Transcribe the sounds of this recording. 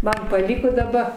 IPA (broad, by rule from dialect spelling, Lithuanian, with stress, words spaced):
ˈmɐn pɐˈlʲiːkoː dɐˈbɐ